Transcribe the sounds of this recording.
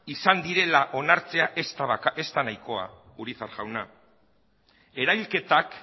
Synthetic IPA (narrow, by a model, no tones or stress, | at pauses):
isand̪iɾe̞laʔo̞naɾt͡se̞aʔest̪ake̞st̪anajko̞a̰uɾiθaɾɣawna | e̞ɾajlke̞t̪ak